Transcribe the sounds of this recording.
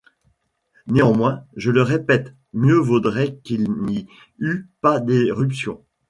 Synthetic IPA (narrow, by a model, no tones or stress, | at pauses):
neɑ̃mwɛ̃ʒələʁepɛt̪ | mjøvud̪ʁɛkilni | ypad̪eʁypsjɔ̰̃